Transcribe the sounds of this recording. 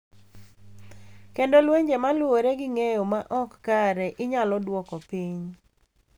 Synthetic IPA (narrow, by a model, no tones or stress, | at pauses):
kendolweɲd͡ʒemalwoɾeɡɪŋejomaʔɔkːaɾɛʔɪɲalɔdwɔkɔpiɲ